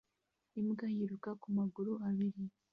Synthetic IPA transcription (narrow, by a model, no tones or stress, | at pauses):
imɡajiɾukakumaɡuɾuaβiɾi